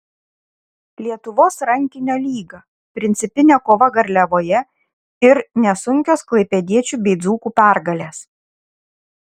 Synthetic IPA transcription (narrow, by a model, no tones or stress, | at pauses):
lʲiɛt̪ʊʋoːsɾɐŋʲkʲɪnʲoːlʲiːɡɐ | pʲɾʲɪnʲt̪sʲɪpʲɪnʲɛkoːʋɐɡɐɾʲlʲɛʋoːjɛ | ɪɾnʲɛsʊŋʲkʲoːsklˠɐɪpʲɛd̪ʲiɛt͡ʃʲuːbʲɛɪd̪zuːkuːpʲæˑɾɡɐlʲeːs